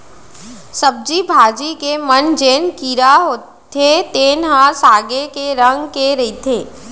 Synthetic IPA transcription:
səb̚d͡ʒibʱaːd͡ʒikemənd͡ʒeːnkiːɾaɦo | t̪ʰet̪eːnɦãsaːɡekeɾə̃ŋɡkeɾɐit̪ʰeː

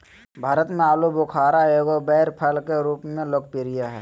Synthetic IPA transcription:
bʱaːɾət̪mẽaːlubʊkʰaːɾaoːɡobɛːɾpʰəlkeɾuːpmẽlok̚piɾɪjaɦɛ̰ː

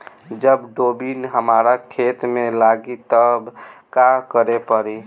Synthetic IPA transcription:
d͡ʒəbɖobinɦəmaɾakʰet̪melaɡit̪əbkakəɾepəɾi

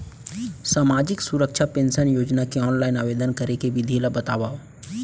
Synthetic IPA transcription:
saːmaːd͡ʒɪksʊɾəkʃapẽːnsənjoːd͡ʒnakiɔːnlaːɪnaʋeːd̪ənkɐɾekeʋɪd̪ʱilabɐt̪aːʋaɦoː

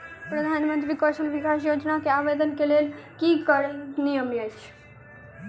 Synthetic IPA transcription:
pɾəd̪ʱanmənt̪ɾiːkəʂəlʋikas̬jod͡ʑnakeaʋed̪ənkelelkiːkəɾnijəmjajt͡ɕ

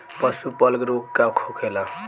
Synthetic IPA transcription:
pʌsupʌlɡɾukːakʰokʰela

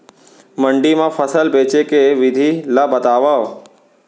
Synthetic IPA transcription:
məɳɖimãfəsəlpet͡ʃekeʋɪd̪ʱiləbət̪aʋəʋ

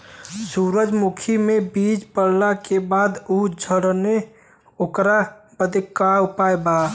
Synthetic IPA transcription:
suɾəd͡ʒmukʰimebid͡ʒpəɾ̤lakebad̪ud͡ʒʱəɾne | okɾapəd̪ikaupaeba

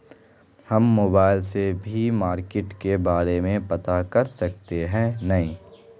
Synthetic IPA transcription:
hɐmːoːbaːɪlsebʱimaːɾkɪʈkebaːɾemẽpɐt̪akɐɾsɐk̚t̪eɦɛ̃nɐĩː

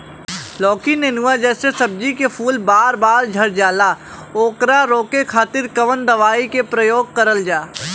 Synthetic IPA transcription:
lɔːkinenuʋad͡ʒɛːsesɐb̚d͡ʒikepʰuːlbaːɾbaːɾd͡ʒʱɐɾd͡ʒaːla | oːkɾaɾoːkekʰaːt̪ɪɾkɐʋənd̪ɐʋaːikepɾəjoːɡ̚kɐɾəld͡ʒaː

